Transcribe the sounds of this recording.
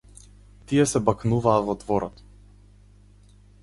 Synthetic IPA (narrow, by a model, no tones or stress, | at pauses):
t̪ijɛsɛbaknuvaːvɔd̪vɔɾɔt̪